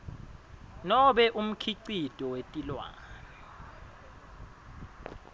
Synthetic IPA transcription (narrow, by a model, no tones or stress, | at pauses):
nɔɓɛʔum̩kʰiǀitʼɔwetʼilwa̰ːŋa